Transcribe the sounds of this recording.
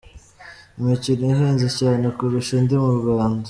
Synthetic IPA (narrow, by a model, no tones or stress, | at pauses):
imicinoiɦeːnzecaːnekuɾiʃendimuɾɡaːndo